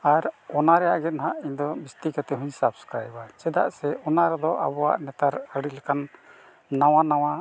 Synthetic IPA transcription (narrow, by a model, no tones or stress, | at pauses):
aɾɔnaɾɛjaʔɡɛt̪nɦaʔiɲd̪ɔbist̪ikat̪ɛɦuɲsapskɾajbat͡ʃɛd̪a̰ʔsɛʔɔnaɾɛd̪ɔʔa̰bɔwa̰ʔnɛt̪aɾəɽilɛkanː | awanaw̃a